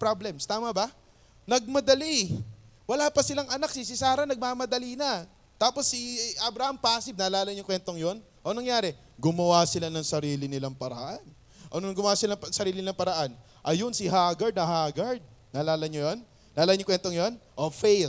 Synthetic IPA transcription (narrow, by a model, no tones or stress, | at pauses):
pɾablɛmst̪aːmɐbɐ | nɐɡ̚mɐd̪ɐli | wɐlaːpɐsɪlaŋɐnak̚sɪsɪsaːɾɐnɐɡ̚maːmɐd̪ɐlinɐ | t̪aːpo̞sːiʔɐbɾɐhampaːsɪb̚nɐlaːlɐɲʊŋkwɛnt̪o̞ŋjo̞n | ʔonɐŋjaːɾɛ | ɡʊmɐwasɪlanɐŋsɐɾiːlɪnɪlaŋpɐɾɐ̰ʔan | ʔɐnonɐŋɡʊmwaːsɪlapsɐɾiːlɪnɪlaŋpɐɾɐʔan | ʔɐjonsɪɦaɡɐɹd̪nɐɦaːɡɐɹd̪̚nɐlaːlɐɲojon | nːɐʔlaːanɲʊŋkwɛnt̪oŋjo̞nʔofejl